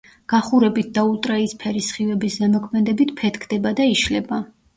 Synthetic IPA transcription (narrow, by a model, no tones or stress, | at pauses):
ɡ̥aχuɾɛbit̪̚ʰd̪ault̪ʼɾaispʰɛɾisχivɛbiszɛmɔkʰmɛd̪ɛbit̪ʰpʰɛt̪ʰkʰd̪̥ɛbad̪aiʃlɛba